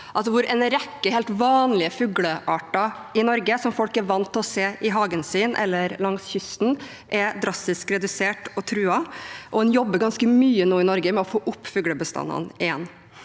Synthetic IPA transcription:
ʔɑsʋʊɾɛnəɾɛkːəhɛɪlt̪ʋɑːnlɪəfʉɡləʔɑːʈɑ | ɪnɔɾɡəsɔmfɔlkɛɾʋɑnt̪ʰːɔseːʔɪɦɑːɡənsiːnʔɛ̰lːəɾlɑŋsçʏst̪n̩ | ʔɛd̪ɾɑst̪ɪskɾɛd̪ʉseːʈɔt̪ʰɾʉːɑʔɔɛnjɔbːəɾɡɑnskəmyːənoːɪnɔɾɡəmɛɔfoːʔʊpːfʉːɡɽəbəst̪ɑ̰nːɑ̰nɪjɛ̰nː

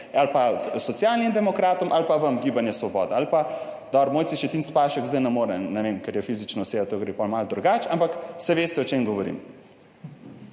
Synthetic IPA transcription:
alpasɔt̪sijalnimd̪ɛmɔkɾaːt̪ɔmʔalpaʋəmɡibanjɛsʋɔbɔ̰ːd̪ɛalpad̪ɔbɾɔmoːjt̪iʃɛt̪inspaʃɛkzd̪ajnɐmoːɾɛnɛʋemkɛɾjɛfizit͡ʃnɔseːbat̪oɡɾepɔlmald̪ɾuɡaːt͡ʃampaksɛʋeːst̪ɛɔt͡ʃeːmɡɔʋɔɾḭm

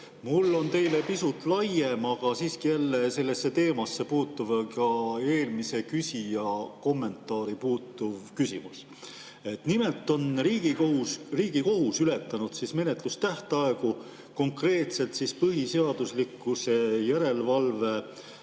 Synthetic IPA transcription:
mulːo̞nt̪e̞jle̞pisut̪ːˑlɑje̞mɑɡ̥ɑsiːskijælːe̞se̞lːesːe̞t̪e̞ːmɑsːe̞puːt̪ːˑuvkɑe̞ːlmise̞kysʲijɑko̞mːe̞nt̪ːˑɑːɾipuːt̪ːˑuvkysḭmus | e̞t̪nime̞lt̪ːˑo̞nriːɡiouriːɡ̥iko̞ɦusyle̞t̪ːˑɑnud̪̥sisme̞ne̞t̪ˑlust̪æht̪ɑeku | ko̞ŋkre̞ːt̪se̞lt̪sispɤɦise̞ɑd̪̥uslikːˑuse̞jæɾe̞lvɑlve̞

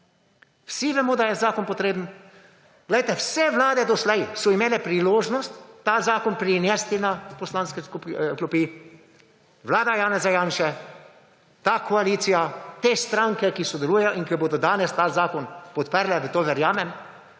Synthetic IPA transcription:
wsiʋɛmɔːd̪ajɛzaːkɔnpɔt̪ɾeːbn̩ | ɡlɛjt̪ɛwsɛʋlaːd̪ɛd̪ɔslɛjsɔimeːlɛpɾiloːʒnɔst̪ːaːzaːkɔnpɾinɛst̪inapɔslaːnskɛskuklupi | ʋlaːd̪ajaːnɛzajaːnʃɛ | t̪aːkʰɔaliːt̪sijat̪est̪ɾaŋkɛkisɔd̪ɛluːjɛjɔʔiŋkiboːd̪ɔd̪aːnɛst̪aːzaːkɔnpɔt̪pəɾlɛd̪at̪oːʋɛɾjaːmɛm

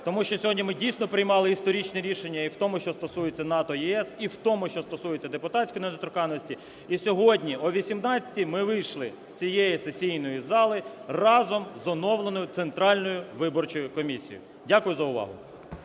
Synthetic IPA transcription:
t̪ɔmuʃt͡ʃɔsʲɔɦɔdʲnʲimɪdʲijsʲnɔpɾɪjmɑlˠɪist̪ɔɾʲit͡ʃnɛɾʲiʃenʲːɐiwt̪ɔmʊʃt͡ʃɔst̪ɔsujet͡sʲːɐnɑt̪ɔjɛɛsiwt̪ɔmʊʃt͡ʃɔst̪ɔsujet͡sʲːɐd̪epʊt̪ɑtʲsʲkɔjnɐd̪ɔt̪ɾʊkɑnːɔsʲtʲi | isʲɔɦɔdʲnʲiɔʋʲisʲimnɑt͡sʲɐ̥tʲimɪʋɪjʃlˠɪsʲt͡sʲijejisesʲijnɔjizɑlˠɪrɑzɔmzɔnɔwlˠenɔjʊt̪sent̪ɾɑlʲnɔjʊʋɪbɔrt͡ʃɔjʊkɔmʲisʲḭjʊ̰ | dʲakʊjʊzɐʊʋɑ̰ɦʊ̰

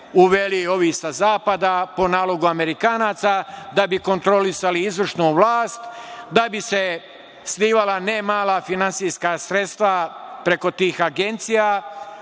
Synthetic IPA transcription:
uʋelio̞ʋisazaːpad̪apo̞naːlˠo̞ɡuame̞ɾikaːnaːt̪sad̪abiko̞nt̪ɾo̞lisaliizʋrʃnuʋlˠaːst̪d̪abise̞ | sliːʋalˠanemaːlˠafinansijskasɾe̞t̪st̪ʋapɾe̞ko̞t̪iːxaɡe̞nt̪sija

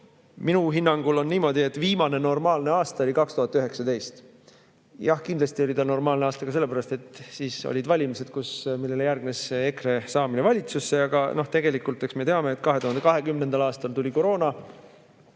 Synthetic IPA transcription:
minuɦinːɑŋɡ̥ulo̞nːiːmo̞d̪̥ie̞t̪ːˑviːmɑne̞no̞rmɑːlne̞ɑːst̪ɑo̞lʲikɑkst̪uhɑt̪ːˑyɦe̞ksɑt̪e̞jst̪ | jɑhkind̪lɑst̪io̞lʲit̪ɑno̞rmɑːlnɑːst̪ɑɡ̥ɑse̞lːe̞pæɾɑst̪e̞t̪siːso̰lʲid̪vɑlʲimise̞d̪̥̚kusmilːe̞lejærɡ̚nesːeekre̞sɑːminevɑlʲit̪susːe̞ɑɡɑno̞ht̪e̞ɡ̥e̞likult̪ːˑeksme̞t̪e̞ɑme̞ːt̪ˑkɑɦe̞t̪uhɑnd̪ekɑɦe̞kymne̞nd̪̥ɑlɑːst̪ɑlt̪ulʲiko̞ɾo̞ːnɑ

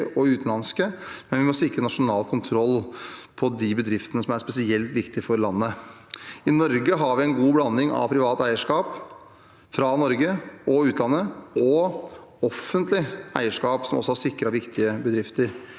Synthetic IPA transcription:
ʔɔʉːt̪n̩ɑnskəmɛnʋɪmɔsɪkɾənɑʂʊnɑːlkʰʊnt̪ʰɾɔlːpʰɔd̪ɪbəd̪ɾɪft̪ənəsɔmæɾspɛsɪɛlt̪ʋɪkt̪ɪfɔɾlɑnːə | ɪnɔɾɡəɦɑɾʋɪɛnɡuːblɑnːɪŋɑ̰ʋpʰɾɪʋɑːt̪æɪəʂkɑːp | fɾɑnɔɾɡəɔʉːt̪lɑnːəɔ | ɔfːənt̪lɪæ̰ɪəʂkɑːpsɔmɔ̰sːɔhɑʂsɪkɾɑʋɪkt̪ʰɪəbəd̪ɾɪft̪əɾ

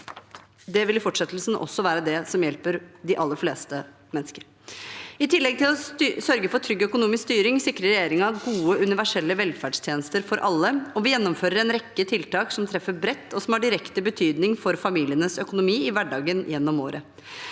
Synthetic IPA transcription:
d̪ɛʋɪlɪfɔʈʂɛt̪ːl̩sn̩ʔɔ̰sːɔʋæːɾəd̪ɛsɔmjɛlpəɾd̪ɪʔɑlːəɾfleːst̪ə | mɛnːəskəɾ | ɪt̪ʰɪlːɛɡ̚t̪ɪlɔsœɾɡəfɔʈ̪ʰɾʏɡːœkʊnuːmɪskst̪yːɾɪŋsɪkɾəɾːɛjeːɾɪŋɑɡuːəʔʉnɪʋæʂɛlːəʋɛlfæɖst̪ʰjeːnəst̪əɾfɔɾʔɑlːəɔʋɪjɛnːɔmføːɾəɾɛnɾɛkːət̪ʰɪlt̪ɑːksɔmt̪ʰɾɛfːəɾbɾɛt̪ːɔsɔmhɑɖɪɾɛkt̪əbət̪ʰyːd̪nɪŋfɔɾfɑmiːlɪənəsœkʊnʊmiːɪʋæɖɑːɡənjɛnːɔmo̰ːɾə

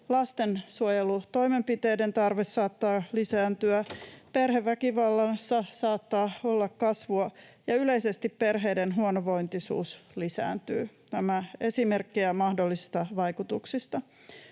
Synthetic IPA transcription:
lɑst̪ensuojelut̪o̞ime̞mpit̪e̞ːde̞nt̪ɑrʋesːɑːt̪ːɑːlisæːnt̪yæperɦeʋːækiʋɑlːɑnsːɑsɑːt̪ːɑːolːɑkkɑsʋuɑjɑyle̞ise̞st̪ippe̞rɦeːdenɦuonoʋo̞int̪isṵːslisæ̰ːnt̪y̰ːt̪æmæesime̞rkːiæmɑhdolːisist̪ɑʋɑikut̪uksist̪ɑ

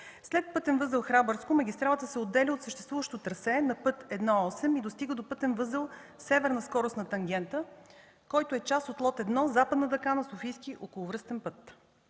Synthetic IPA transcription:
slɛt̪̚pɤt̪ɛnvɤzəlˠxɾabəɾskomɐɡʲist̪ɾalˠət̪əsɛod̪ːɛlʲiot̪səʃt̪ɛ̥st̪vuvəʃt̪ot̪ɾəsɛnɐpɤt̪ɛd̪nɔɔsɛmid̪ost̪iɡəd̪opɤt̪ɛnvɤzəlˠ | sɛvɛɾnəskɔɾʊsnɐt̪ɐŋɡʲɛnt̪ə | kɔjt̪oɛt͡ʃast̪ot̪lˠɔt̪ɛd̪nɔzapəd̪nəd̪ɐkanɐsofijskiʔokolˠʊvɾɤst̪ɛnpɤt̪

